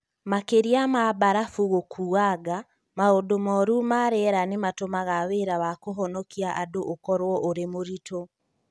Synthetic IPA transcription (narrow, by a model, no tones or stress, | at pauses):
makeɾiamabaɾafuɣokʰuaɡa | maodomɔɾumaɾɛɾanematomaɣaweɾawakoɦɔnɔkiaʔadoʔokɔɾwɔʔoɾemoɾito